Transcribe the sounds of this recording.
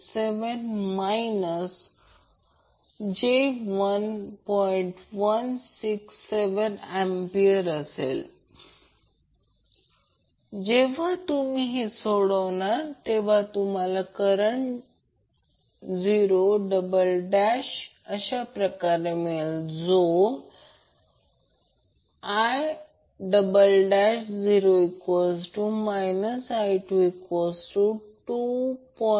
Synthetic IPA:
seʋənmainəs | d͡ʑeʋənpɔiɳʈʋənsiksːeʋənempiəɾəsḛl | d͡ʑeʋ̤at̪umiɦesoɽəʋɳaɾt̪eʋ̤at̪um̤alakəɾəɳ | d͡ziɾoɖəbəlɖaɕ | əɕapɾəkaɾemeld͡zo | aj | ɖəbəlɖaɕd͡ziɾoekosʈumajnəsajʈuekosʈuʈupɔ

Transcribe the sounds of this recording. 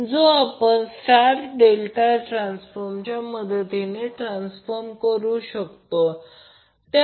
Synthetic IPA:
d͡zoapəɳsʈaɾɖelʈaʈɾãnsfɔɾmt͡ɕjaməd̪ʱəd̪ineʈɾãnsfəɾmkəɾuɕək̚t̪o | t̪a

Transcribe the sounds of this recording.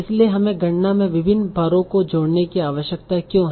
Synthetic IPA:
ɪslieɦɐmẽɡɐ̃ɳnamẽʋɪbʱɪnːbʱaːɾõkod͡ʒoːɽnekiaːʋəʃjək̚t̪akjõːɦɛ

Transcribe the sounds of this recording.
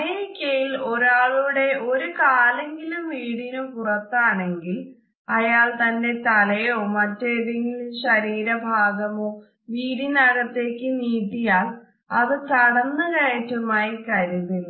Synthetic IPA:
eɾikʲːɐjilo̞ɾaːɭuɽe̞ʔo̞ɾukaːleŋɡilumʋiːɽinumpurɐt̪ːaːɳe̞ŋɡil | ɐjaːɭt̪ɐnde̞t̪ɐlɐjoːmɐtːeːðeŋɡilumɕɐɾiːɾɐbʱaːɡɐmoː | ʋiːɾinɐɣɐt̪ːe̞ːkːɨniːt̪ːijaːɭ | ɐðɨt̪ɐɽɐnːɨkɐjɐtːumaːjikɐɾuðilːu

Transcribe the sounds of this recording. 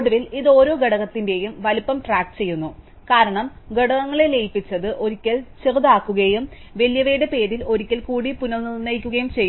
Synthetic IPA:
ɽuʋiliðo̞ːɾo̞ːɡeɽɐɣɐt̪ːinde̞jumʋɐlupːɐmʈraːk̚ʈt͡ɕe̞jːunːu | kaːɾɐɳɐm | ɡeɽɐɣɐŋːɐɭe̞lejpːit͡ɕːɐðɨʔo̞ɾikʲːɐɭt͡ɕeruðaːkːuɣɐjum | ʋe̞ljɐʋeːɽepe̞ːɾilo̞ɾikʲːɐlkuːɽipunɐlnilnːɐjkʲːuɣɐjumt͡ɕe̞j

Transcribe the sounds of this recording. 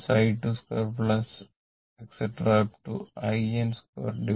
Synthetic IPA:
saɪʈuːskɔɾplɐs | ekseʈɾaʈṵaɪẽnskɔ̰ɾɖi

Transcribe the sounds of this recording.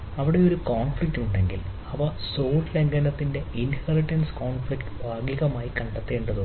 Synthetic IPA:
ɐʋiɽe̞o̞ɾukoːnflik̚tuɳɖe̞ŋɡil | ɐʋɐso̞ːʈleŋɡɐnɐt̪ːinde̞inhɐriʈːɐnskoːnfɭikʈɨ̥bʱaːɡiɣɐmaːjikɐɳɖɐt̪ːe̞ːɳɖɐðɨ

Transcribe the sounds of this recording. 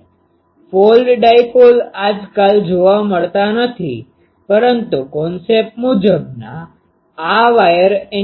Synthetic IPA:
folɖɖajpolad͡ʒkald͡ʒoʋaməɭt̪anət̪ʰḭ | pəɾənt̪ukɔnsep̚mud͡ʒəbna̰ː | ʋajəɾe

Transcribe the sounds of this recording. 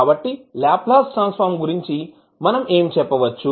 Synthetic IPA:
aːbɐʈːilaːplaːsʈɐnspaːɾmɡuɾiɲt͡ʃi | mɐnɐmeːmit͡ʃɛpːɐʋɐt͡ʃːu

